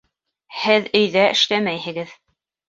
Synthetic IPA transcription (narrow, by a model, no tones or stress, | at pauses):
hɘðɵ̆jðæʔɘ̆ʃlæmæjhɘ̆ɡɘð